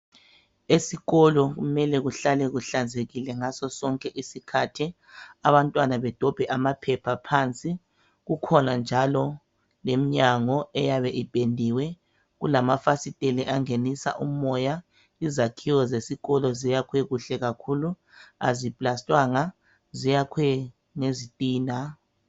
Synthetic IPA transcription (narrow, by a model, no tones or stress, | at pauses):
esiɣɔlɔɣumɛlɛɣuɬalɛɣuɬand͡zʱeɣilɛŋasɔsɔŋkʼɛʔisikʰatʰi | aβantʼwanaβɛd̥ʱɔb̥ʱɛʔamapʰɛpʰapʰant͡sʼi | ɣukʰɔnand͡ʒʱalɔ | lemiɲaŋɔɛjaβɛʔipʼendʱiwɛ | ɣulamafasitʼeliʔaŋenisa̰ʔumɔja | izakʰiwɔzesiɣɔlɔzijakʰwɛɣuɬɛɣakʰulu | a̰zipʼlastʼwaŋa | zijakʰwɛ | ŋezitʼiːna